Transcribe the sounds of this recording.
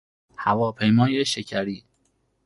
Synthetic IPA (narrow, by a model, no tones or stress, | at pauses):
hævɒːpʰe̞jmɒːjeʃecʰæɾiː